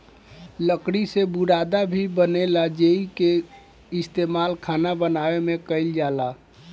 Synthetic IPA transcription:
ləkɽisebuɾad̪abʱibənelad͡ʒeike | ist̪emalkʰanabənawemekəɪld͡ʒala

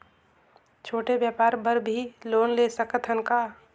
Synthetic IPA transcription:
t͡ʃʰoːʈebjaːpaːɾbəɾbʱiloːnlesəkət̪ʰɦənka

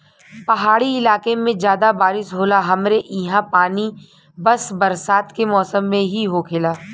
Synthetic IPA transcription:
pɐɦaːɽiɪlaːkemẽd͡ʒjaːd̪abaːɾɪsɦoːlaɦɐmɾeʔɪɦãpaːni | bɐsbɐɾsaːt̪kemɔːsəmːẽɦiɦoːkʰɪlaː

